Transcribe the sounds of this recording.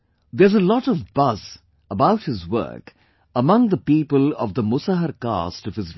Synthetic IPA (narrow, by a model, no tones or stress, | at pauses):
d̪əzəlɔɾəvbʌz | əbaʊʈ̚hɪzwɜ̰˞k | əmʌ̃ŋd̪əpiːpəlɔ̰vd̪əmʊsəɦəɾka̰stʌv̥ɨz